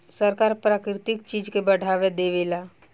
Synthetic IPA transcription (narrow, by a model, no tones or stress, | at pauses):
səɾkaːɾpɾaːkɾɪt̪ɪkt͡ʃiːd͡ʒkebɐɽ̤ʱaːʋed̪eːʋeːlaː